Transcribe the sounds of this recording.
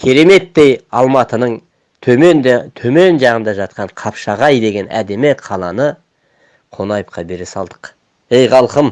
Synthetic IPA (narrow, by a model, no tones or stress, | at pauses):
kʲʰe̞ɾe̞me̞t̪ːe̞jɑlˠmɑt̪ənəɴ | t̪ʰɵmnt̪ʰɵme̞nʒɑʁənd̪ɑʒɑt̪̚qɑɴqʰɑpʃɑʁɑjd̪e̞ɡʲe̞næ̰d̪e̞mɪqʰɑlˠɑnə | qʰo̞nɑjəp̚qʰɑbe̞ɾesɑlˠd̪ə̥q | e̞jʁɑlˠqəm